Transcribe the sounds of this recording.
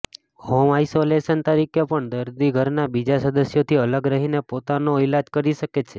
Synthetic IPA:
homajsoleʃənt̪əɾikepəɳd̪əɾd̪iɡʱəɾnabid͡ʒasəd̪əsjot̪ʰiələɡɾəɦinepot̪anoɪlad͡ʒkəɾiʃəket͡ʃʰe

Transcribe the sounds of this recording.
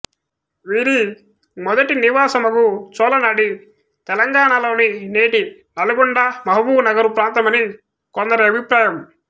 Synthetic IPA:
ʋiːɾi | mɔd̪ɐʈiniʋaːsɐmɐkut͡ʃɔːlɐnaːɽi | t̪ɛlɐŋɡaːɳɐlo̞ːnineːʈi | nɐlɐɡɔɳɖɐmɐɦɐbuːnɐɡɐɾupɾaːnt̪ɐmɐni | kɔnd̪ɐɾɐɐbʱipɾaːjɐm

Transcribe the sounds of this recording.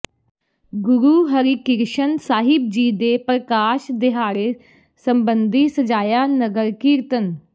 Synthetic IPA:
ɡʊɾuːɦəɾiːkɪɾʃənsaːɦɪb̚d͡ʒiːd̪eːpɾəkaːʃd̪ɪɦaːɾeː | səmbənd̪iːsəd͡ʒaːjaːnəɡəɾkiːɾt̪ən

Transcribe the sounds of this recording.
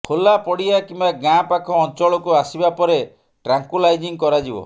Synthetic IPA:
kʰolapɔɽijakimbaɡãpakʰɔːnt͡ʃɔɭɔkuasibapɔɾe | ʈɾaŋkulajd͡ʒiŋkɔɾad͡ʒibɔ̰

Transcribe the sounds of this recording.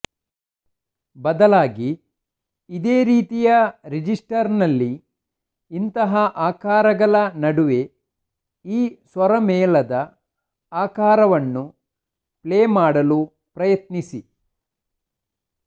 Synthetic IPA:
bɐd̪ɐlaːɡiː | d̪eːɾiːt̪ijɐɾid͡ʒisʈɐɾnɐlːiː | nt̪ɐɦɐʔaːkaːɾɐɡɐɭɐnɐɽuʋe | iːsʋɐɾɐmɛːlɐd̪ɐ | aːkaːɾɐʋɐnːu | pleːmaːɽɐlu | pɾɐjɐt̪nisi

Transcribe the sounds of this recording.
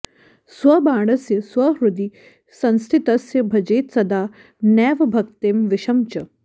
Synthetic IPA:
sʋɐbaːɽ̃ɐsjɐsʋɐɦɾud̪i | sɐ̃nst̪ʰit̪ɐsjɐbʱɐd͡ʒeːt̪sɐd̪aː | nɛːʋɐbʱɐkt̪eːmʋɪʃɐmt͡ʃɐ

